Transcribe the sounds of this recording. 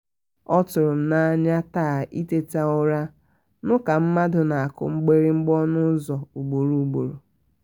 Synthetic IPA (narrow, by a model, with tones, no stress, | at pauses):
ɔ˦tʊ˨ɾʊ˨m̩˦na˦ɲa˦taː˦˨i˦te˦ta˦ʊ˦ɾa˦ | nʊ˦ka˨m̩˦ma˦dʊ˨na˨a˨kʊ̰˨ŋ͡m̩˦ɡ͡be˦ɾi˦ŋ͡m̩˦ɡ͡bɔ˦nʊ˦zɔ˨u˨ɡ͡bo˨ɾu˨u˨ɡ͡bo˨ɾu˨